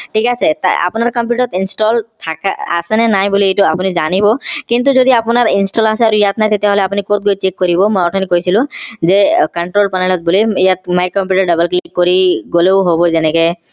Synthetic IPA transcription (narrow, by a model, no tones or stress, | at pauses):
ʈʰikaset̪a̰a̰pʊnaɹkɔmp̬juʈɔt̪insʈɔlt̪ʰaka̰a̰sɛnɛnajbuliejtuapunizanibɔkint̪̬uzod̪iapunaɹinsʈɔlasɛaɾuijat̪najt̪et̪eɦɔleapunikot̪̚ɡojt͡ʃekːɔɾibɔmɔjɔʈʰɔnikojsʰilʊ̃zekɔɳʈɾolpanaɭɔt̪̚boliijat̪majkɔmpjuʈɔɹɖɔbelklikoɾiɡoleʊɦobɔzɛnɛke